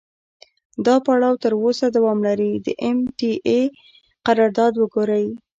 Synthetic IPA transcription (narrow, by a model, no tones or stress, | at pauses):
d̪ɑpaɽɑwt̪əɾosad̪awɑmlaɾid̪əʔemʈiʔe | qaɾɑɾd̪ɑd̪wəɡoɾaj